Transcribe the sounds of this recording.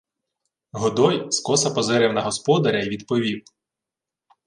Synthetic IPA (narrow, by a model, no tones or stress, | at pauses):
ɦɔd̪ɔjskɔsɐpɔzɪɾɛwnɐɦɔspɔd̪ɐɾʲɐjʋʲid̪pɔʋʲiw